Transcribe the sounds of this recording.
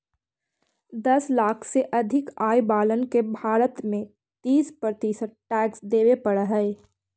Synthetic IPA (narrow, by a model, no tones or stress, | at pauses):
d̪ɐslaːkʰseʔɐd̪ʱɪkaːjbaːlənkebʱaːɾət̪mẽ | t̪iːspɾət̪isəɾ̚ʈɛːksd̪eːwepəɽɦɛɪ